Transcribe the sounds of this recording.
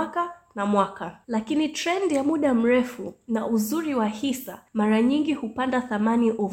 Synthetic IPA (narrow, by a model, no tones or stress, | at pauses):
kanamwakalakinitɾɛndjamuɗam̩ɾɛfunaʔuzuɾiwahisamaɾaɲiŋɡihupandaθamaniʔu